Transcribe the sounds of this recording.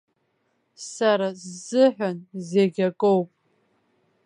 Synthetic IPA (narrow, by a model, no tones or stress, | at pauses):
saɾazɨħᶣʷanzeɡʲakʼowpʼ